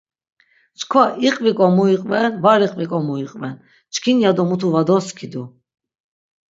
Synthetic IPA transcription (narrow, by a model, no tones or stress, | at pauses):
t͡ʃʰkʰvaʔiqʼvikʼɔmuiqʼvɛnvaɾiqʼvikʼɔmuiqʼvɛn | t͡ʃʰkʰinjad̪ɔmut̪ʰuvad̪ɔskʰid̪u